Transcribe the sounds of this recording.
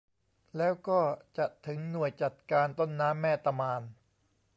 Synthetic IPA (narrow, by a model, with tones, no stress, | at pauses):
lɛː˦˥wkɔː˥˩t͡ɕa˨˩t̪ʰːɯ˩˦ŋnu˨˩əjt͡ɕa˨˩t̪̚kaː˧nt̪o˥˩nːaː˦˥mːɛː˥˩t̪a˧maː˧n